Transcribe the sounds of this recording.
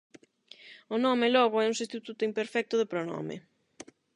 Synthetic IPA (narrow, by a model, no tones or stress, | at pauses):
ʊnɔmɪlɔɣ̞ʊɛuŋsist̪it̪ut̪ʊimpeɾfɛk̚t̪ʊðɪpɾonɔ̰mɪ̰